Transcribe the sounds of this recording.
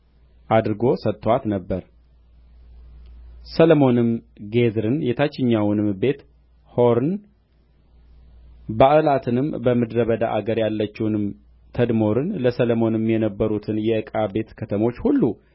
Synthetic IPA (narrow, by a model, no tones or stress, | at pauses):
ʔad̪ɾɨɡo̞sət̪ʼːwat̪nəbːəɾ | səlmo̞nɨmɡe̞zɾɨnjɛt̪ʰat͡ʃːɪɲːawnɨmbe̞t̪ | ho̞ɾɨn | baʔɨlat̪ʰɨnɨmbəmɨd̪ɾəβəd̪aʔaɡəɾjalːət͡ʃːɛwnɨm | t̪ʰəd̪mo̞ɾɨnləsələmo̞nɨmjɛnəbːəɾut̪ʰɨnjɛʔɨkʼabe̞t̪kʰət̪ʰəmo̞t͡ʃːhulːu